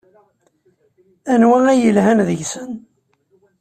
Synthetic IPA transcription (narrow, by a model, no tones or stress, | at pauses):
ænwææjəlhænðəʝsən